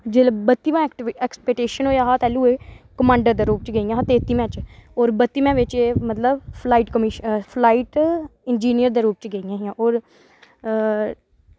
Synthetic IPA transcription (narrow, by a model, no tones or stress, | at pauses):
d͡ʒeːlbət̪ːiːʋãːʈɛːkspɛːk̚ʈeːʃənɦoːjaːɦaːt̪ɛːluːekəmãːɳɖəɾd̪aːɾuːpt͡ʃɡəijãːɦaːt̪eːt̪imɛ̃ːt͡ʃoːɾbət̪ːiːmɛ̃ːʋɪt͡ʃeːmət̪ləbpʰlaːiːʈkəmiʃpʰlaːiːʈɪnd͡ʒiːnijəɾd̪aːɾuːp̚t͡ʃɡəijãːɦiãːʔoːɾ